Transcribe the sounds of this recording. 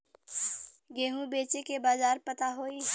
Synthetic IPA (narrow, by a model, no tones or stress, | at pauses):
ɡeːɦũbeːt͡ʃekebaːzaːɾpət̪aɦoːi